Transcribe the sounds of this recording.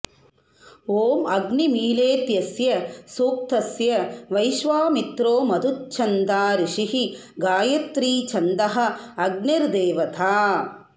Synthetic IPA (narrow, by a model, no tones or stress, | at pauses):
oːmɐɡnimiːleːt̪jɐsjɐsuːk̚t̪ɐsjɐʋɐjʃʋaːmit̪ɾoːmɐd̪ʱut̪̚t͡ʃʰɐnd̪aːɾiʂiɦi | ɡaːjɐt̪ɾiːt͡ʃʰɐnd̪ɐɦɐ̆ɐɡ̚nɐɾd̪eːʋɐt̪ʰaː